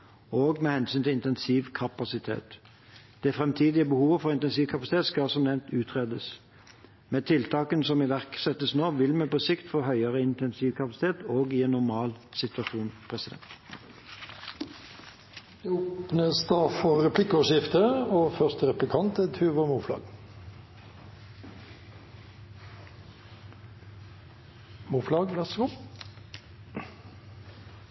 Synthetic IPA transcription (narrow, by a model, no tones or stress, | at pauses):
oːɡmɛːhɛnsyːnt̪ɪɪnt̪ɛnsiːʋkʰɑpɑsɪt̪ʰḛːt̪ | d̪̥ɛfʁɛmt̪ʰiːd̪ɪəbəhuːʋəfɔʁɪnt̪ɛnsiːʋkʰɑpɑsɪt̪ʰeːt̪skɑsɔmnɛʋnt̪ʉːt̪ʰʁeːd̪əs | mɛːt̪ʰɪlt̪ʰɑːkənsɔmɪʋæʁksɛt̪ːəsnoːʋɪlmɛpɔsɪkt̪foːɦœʏəʁəɪnt̪ɛnsiːʋkʰɑpɑsɪ̥t̪ʰeːt̪oːɡɪɛnːʊʁmɑːl | sɪt̪ʉɑʂuːnpʰʁɛsɪd̪ɛ̰nt̪ | d̪ɛoːpnəst̪ɑːfɔʁɛpʰlɪkːɔʃɪft̪əoːfœʁst̪ʁɛplɪkʰɑnt̪ɛt̪ʰʉːʋəmuːflɑ̰ːɡ | muːflɑːɡʋɛskː